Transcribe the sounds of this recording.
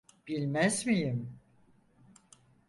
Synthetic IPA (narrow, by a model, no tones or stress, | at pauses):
b̥ilʲmæzmijim